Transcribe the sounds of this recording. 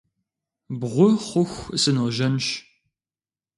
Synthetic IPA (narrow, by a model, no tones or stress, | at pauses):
bʁʷʊχʷʊxʷɨsɨnoʒɐnʃ